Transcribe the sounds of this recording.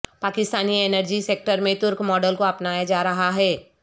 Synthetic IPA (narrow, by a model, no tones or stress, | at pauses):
paːkɪst̪aːniɛːnəɾd͡ʒiseːk̚ʈəɾmẽt̪ʊɾkmɔːɖəlkoɐpnaːjad͡ʒaːɾɐɦaɦɛː